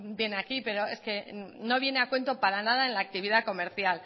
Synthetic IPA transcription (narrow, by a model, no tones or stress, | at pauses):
bje̞nakipe̞ɾo̞e̞ske̞no̞β̞je̞neakwe̞nt̪o̞paɾanað̞aenlaːk̚t̪iβ̞iðako̞me̞ɾθjal